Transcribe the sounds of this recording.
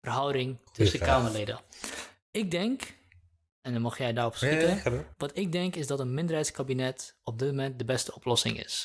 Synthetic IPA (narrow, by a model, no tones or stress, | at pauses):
fərɦɔwdɪŋtʰɵsəkaːməledə̰ | ɪɡ̚dɛŋk | ɛndɔnmɑχjɛjdaːrɔpsitənʋɑtɪɡ̚dɛŋkɪzdɔtənmɪndərɦɛjtskabinɛtɔb̚dɪtmomɛnt̚dəbɛstəɔplɔsɪ̰ŋɪ̰s